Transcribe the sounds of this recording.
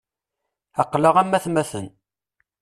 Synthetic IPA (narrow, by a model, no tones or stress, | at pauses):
ɑqːləʁæmːæθmæθən